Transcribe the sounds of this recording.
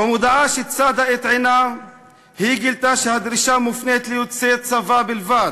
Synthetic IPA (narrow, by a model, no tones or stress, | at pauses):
bemud̪aʕaʃet͡sad̪aet̪ʕena | hiɡilt̪aʃehad̪ɾiʃamufnet̪lijut͡set͡savabilvad̪